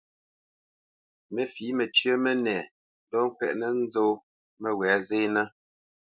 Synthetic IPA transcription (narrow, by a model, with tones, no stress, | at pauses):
mə˨fi˨˦mɛ˨t͡ʃɥə˦mɛ˦nɛː˨ | n˦dɔ˦ŋ̩˦kwɛ̰˦˨ʔnə˦n̩˦zo˦ | mə˨wɛː˨˦ze˦na˦